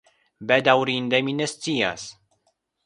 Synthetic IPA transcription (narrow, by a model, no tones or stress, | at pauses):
bæd̪awɾind̪æminæst̪ijas